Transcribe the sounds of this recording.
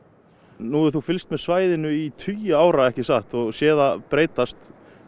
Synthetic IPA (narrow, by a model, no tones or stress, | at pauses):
nuːɪθufɪlst̪mɛðsvaːjðɪnʏit̪ʰyjʏaːwɾaɛhcɪsaht̪ɔɣsjɛːðapɾeːjt̪ast̪